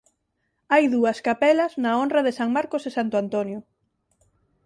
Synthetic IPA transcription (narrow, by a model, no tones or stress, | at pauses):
ajðuɐskapɛlɐznaonrɐðesaŋmaɾkosesant̪oant̪onjʊ